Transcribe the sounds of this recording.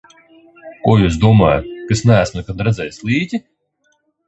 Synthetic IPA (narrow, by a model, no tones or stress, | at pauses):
kujuːsd̪uɔmajʊkɨsnʲæːsmʲnɨkat̪̚d̪ɾad̪zajslˠiːt̪ʲɪ